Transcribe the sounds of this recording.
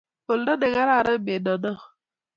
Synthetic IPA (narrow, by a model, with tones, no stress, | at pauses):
o˨l̩˦dɔ˦de˨ŋa˦ɾa˦˨ɾa˦˨be˨dɔ˨dɔ˦